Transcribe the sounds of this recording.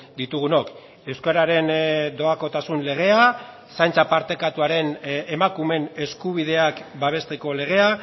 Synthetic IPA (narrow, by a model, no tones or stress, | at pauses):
d̪it̪uɣ̞uno̞k | e̞wskaɾaɾe̞nd̪o̞ako̞t̪asunle̞ɣ̞e̞a | sajnt͡sapaɾt̪e̞kat̪uaɾe̞nemakume̞ne̞skuβ̞ið̞e̞akbaβ̞e̞st̪e̞ko̞le̞ɣ̞e̞a